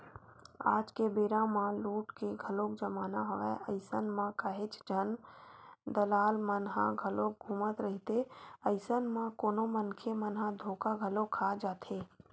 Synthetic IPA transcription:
a̰ːd͡ʒkebeːɾãmãluːʈkeɡʱəlokd͡ʒəmaːnaɦəʋɛʔəɪsənmãkəɦɪt͡ʃd͡ʒʱən | d̪əlaːlmənɦãɡʱəlok̚ɡʱuːmət̪ɾəɦit̪eəɪsənmãkoːnomənkʰemənɦãd̪ʱoːkaɡʱəlokʰad͡ʒaːt̪ʰe

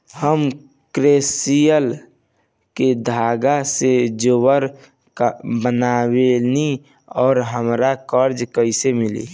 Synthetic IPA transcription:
həm | kɾeːsijəl | ked̪ʱaːɡased͡ʒowəɾ | kbənaweni | ɔːɾɦəmɾakəɾd͡ʒkəɪsemɪlḭ

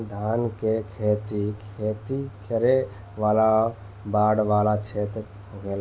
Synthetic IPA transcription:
d̪ʱankekʰet̪ikʰet̪ikʰəɾe | ʋala | baɽʋalat͡ʃʰet̪ | ɡel

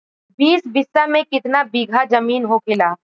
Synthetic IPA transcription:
biːsbɪsːamẽkɪt̪nabiːɡʱad͡ʒɐmiːnɦokʰɪlaː

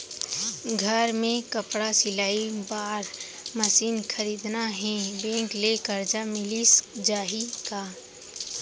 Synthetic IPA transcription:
ɡʱəɾmẽkəpɽasɪlaːibaːɾ | məsiːnkʰəɾiːd̪naɦɛ̃bɛ̃ːŋklekəɾd͡ʒamɪlisd͡ʒaːɦikaː

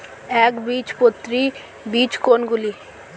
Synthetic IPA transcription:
ɛːkbiːt͡ʃpʊt̪ɾiː | biːt͡ʃkoːnɡʊliː

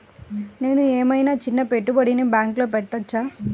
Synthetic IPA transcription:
ne̞ːnueːmɐjnaːt͡ʃinːɐpeʈːubɐɽineːbjaːŋklo̞ːpɛʈːɐt͡ʃːaː

